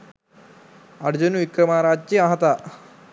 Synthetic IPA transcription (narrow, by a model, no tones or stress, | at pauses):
ɐɽd͡ʑunʋikɾəmaɾad͡ʑt͡ɕiaɦt̪a